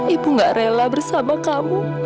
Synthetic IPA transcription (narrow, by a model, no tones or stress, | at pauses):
ibuŋɡaʔrelabərsamakamu